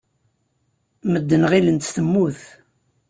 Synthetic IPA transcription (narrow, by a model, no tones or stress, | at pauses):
məd̪ːənʁilənt̪θəmːuθ